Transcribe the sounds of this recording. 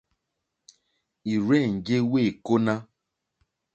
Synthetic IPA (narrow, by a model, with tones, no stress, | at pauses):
i˨ɾɛ˦˨ŋ̩˨ɟe˦we˦˨ko˦nã˦